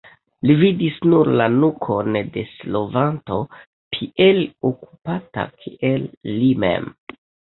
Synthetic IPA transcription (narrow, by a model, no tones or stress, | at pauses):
lividisnuɾlanukʰonde̞slo̞vanto̞ | pʰiʔeloku̥pata̰kʰiʔelːimḛm